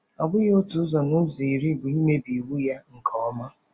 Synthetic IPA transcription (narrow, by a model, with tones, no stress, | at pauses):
ɔ˨bʊ˦ɣo˦tu˨˦zɔ˨nʊ˦zi˨i˨ɾi˦bʊ˨i˦me˦bi˨wu˦ja˦ŋ̩˨kʰɔ˨˦ma˦